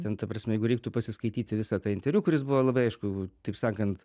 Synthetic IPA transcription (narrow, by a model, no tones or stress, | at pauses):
t̪ʲɛnt̪ɐpɾɐsʲmʲɛjɛɪɡʊɾʲɛɪk̚t̪ʊpɐsʲɪskɐɪt̪ʲiːt̪ʲɪʋʲɪsɑːt̪ɑːɪnʲt̪ʲɛɾʲuːkʊɾʲɪsbʊʋolˠɐbɐɪɐɪʃkʊt̪ɐɪpsɑːkɐnt̪